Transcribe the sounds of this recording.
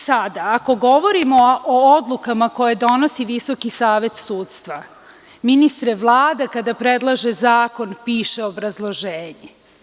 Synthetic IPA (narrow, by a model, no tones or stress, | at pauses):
sad̪aːko̞ɡo̞ʋo̞ɾimo̞od̪lˠukamako̞jed̪o̞no̞siʋiso̞kisaːʋe̞t̪suːt̪st̪ʋa | minist̪ɾeʋlˠaːd̪akad̪apɾe̞d̪lˠaʒezaːko̞npiːʃeobɾazlˠo̞ʒeːɲe